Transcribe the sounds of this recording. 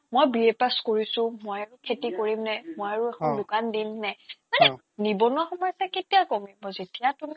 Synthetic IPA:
mojbiepaskoɹisʊ̃mojaɹʊkʰetikoɹimnɛmɔjaɹʊexʰɔndʊkandimnɛmanɛ | nibɔnwaxɔmɔjsɛketijakomibɔzetijatumi

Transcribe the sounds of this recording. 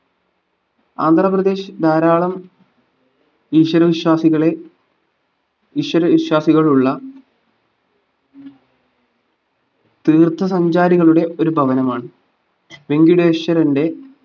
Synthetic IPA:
aːnd̪ʱrɐprɐd̪e̞ːɕɨd̪ʱaːɾaːɭɐm | iːʂwɐɾɐʋiɕwaːsiɣɐɭe | iɕwɐɾɐʋiɕwaːsiɣɐɭuɭːɐ | t̪iːrt̪ʰːɐsɐɲd͡ʑaːɾiɣɐɭuɽe̞o̞ɾubʱɐʋɐnɐmaːɳɨ | ʋe̞ŋɡjuɽeːʂɐɾɐnde̞

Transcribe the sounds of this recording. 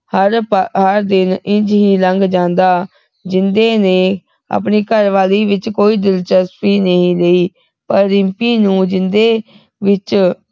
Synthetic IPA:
həɾpɦəɾd̪ɪnɪ̃ɲd͡ʒɦiːləŋɡd͡ʒãːnd̪aː | d͡ʒɪnd̪eːneː | ə̰pniːkəɾʋaːliːʋɪt͡ʃkoːiːd̪ɪlt͡ʃəspiːnəɦĩːleːiː | pəɾːɪmpiːnũːd͡ʒɪnd̪eː | ʋɪt͡ʃ

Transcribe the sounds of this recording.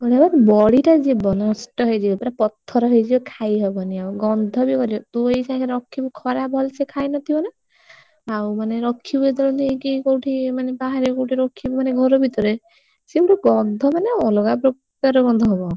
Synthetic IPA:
ɡɔɽabaɾbɔɽiʈad͡ʒebɔnɔsʈɔɦɔjd͡ʒibɔp̪ɔɾapɔt̪ʰːɔɾɔɦɔjd͡ʒibɔkʰajɦɔbɔniawɡɔnd̪ʱɔbikɔɾibɔt̪uejsakeɾɔkʰːibɔkʰɔɾabʱɔlsʰekʰajnɔt̪ʰibɔna | awmaneɾɔkʰːibued̪ʱɔlɔnt̪iekikowʈʰimanebaɦaɾikowʈʰiɾɔkʰːibɔmaneɡʱɔɾobʱit̪ɔɾe | sibuʈɔɡɔnd̪ʱɔmaneɔloɡapɾɔp | jɔɾɔɡɔnd̪ʱɔɦɔbɔ

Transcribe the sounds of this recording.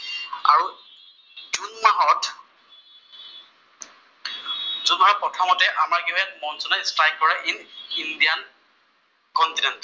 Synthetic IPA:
aɹu | dunmaɦɔt | zunaɹpɹɔtʰɔmɔtɛʔamaɹɡijat̚mɔnzunastajk̚kɔɹaʔinindijan | kɔntinɛnt

